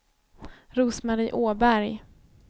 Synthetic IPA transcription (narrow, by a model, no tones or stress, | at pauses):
ɾuːsmaɾiːʔoːbæɾj